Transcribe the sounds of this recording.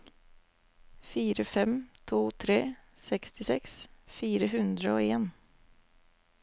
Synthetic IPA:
fiːɾəfɛmt̪ʰuːt̪ʰɾeːsɛkst̪ʰɪsɛksfiːɾəɦʉnd̪ɾəoːeːn

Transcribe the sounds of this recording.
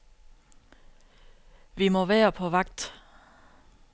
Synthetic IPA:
ʋimɒ̽ʋæːɐpʰɒ̽ʋɑ̈ɡ̥̚d̥

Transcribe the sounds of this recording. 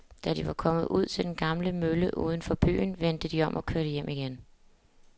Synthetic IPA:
d̥æɾ̥iʋɑ̈kʰɒ̽mð̞̩ˠʔuð̞̰ˠt͡sʰe̝ld̥enɡ̥ɑ̈mləmøləʔuːð̞ˠn̩fɒ̽b̥y̰ːnʋend̥əd̥iɒ̽mʔɒ̽kʰøɐɾəjem̰iɡ̥en

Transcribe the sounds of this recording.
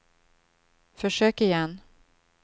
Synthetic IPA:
fœʂøːkɪjɛnː

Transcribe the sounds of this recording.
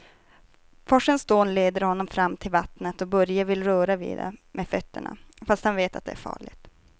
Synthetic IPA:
fɔʂənsd̪oːnleːd̪əɾhɔnːɔmfɾamːt̪ʰɪlvat̪nət̪ɔbœɾjavɪlːɾœːɾavḭːd̪ɛ̰mʔefœt̪ːə̰ɳa̰fast̪hanveːt̪at̪̚d̪ɛ̰æ̰ɾfɑ̰ːɭɪ̰ɡt̪

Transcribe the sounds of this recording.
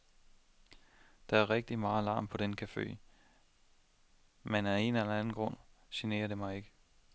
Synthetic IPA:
d̥ɑ̈æɐʁɛɡ̥̚d̥imɑ̈ːlɑ̰̈ːmpʰɒ̽d̥enkʰæfḛː | menæe̝nelɐænn̩ɡ̥ʁɔ̽n̰ | sine̝̰ːɐɾe̝mɑ̈ɪe̝ɡ̥ə

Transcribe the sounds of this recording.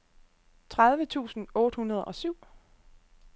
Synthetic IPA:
t͡sʰʁaðˠʋət͡sʰṵːsn̩ɔ̽ːɾ̥əhunɐð̞ˠɒ̽syʊ̰

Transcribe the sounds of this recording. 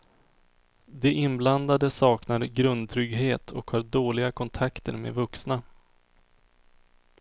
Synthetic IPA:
d̪ɛʔɪnbland̪ad̪əsɑːknaɾɡɾɵnd̪̚t̪ʰɾʏɡɦeːt̪ʰɔkhɑːɖoːlɪɡakʰɔnt̪ʰakt̪ə̰ɾmḛːvɵksna

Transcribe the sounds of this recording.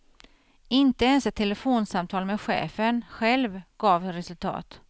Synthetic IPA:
ɪnt̪əɛnsɛt̪ʰːɛləfoːnsamt̪ʰɑːlmɛd̪ɧḛːfənɧɛlvɡ̥ɑːvɾɛsɵlt̪ʰɑ̰ːt̪

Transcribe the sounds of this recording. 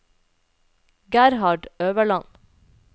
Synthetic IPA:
ɡæɾhɑɖøːʋəɭɑn

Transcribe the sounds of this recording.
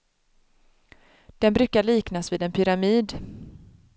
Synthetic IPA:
d̪̥ɛnbɾʉːkaɭiːknasviːd̪ɛnpʰʏɾamiːd̪

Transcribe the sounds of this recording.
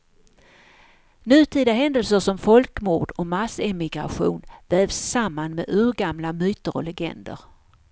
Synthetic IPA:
nʉ̟ːt̪ʰiːd̪aɦɛnd̪əlsəʂɔmfɔlkmuːɖɔmasɛmɪɡɾa̰ɧṵːnvɛːvsːamːanmḛʉːɾɡamlamyːt̪əɾɔ̰lɛɡɛ̰nd̪ə̰ɾ

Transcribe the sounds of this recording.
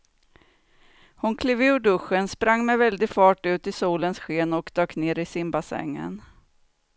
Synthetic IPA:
hʊnkʰliːvɪɵɖɵɧːənspɾaŋːmɛvɛld̪ɪɡfɑːʈʉ̟ːt̪ɪsuːlənsɧeːnɔkd̪̥ɑːkneːɾɪsɪmbasɛ̰ŋːə̰n

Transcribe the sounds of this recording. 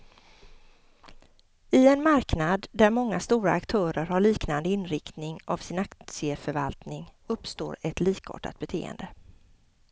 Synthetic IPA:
ɪɛnmaɾknad̪ːæɾmɔŋːast̪uːɾaːkt̪ʰœːɾəɾhaɭiːknand̪əɪnɾɪkt̪nɪŋavsɪnakt̪sɪəfœɾva̰lt̪nɪŋɵpːst̪o̰ːɾɛt̪liːko̰ːʈa̰t̪̚bɛt̪ʰḛːə̰nd̪ə

